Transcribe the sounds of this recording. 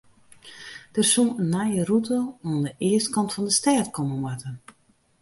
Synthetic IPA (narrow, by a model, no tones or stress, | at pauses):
d̥ərsunənːajərutʰəundəʔɪəstkɑntfɑndəstɛːtkɔməmwatən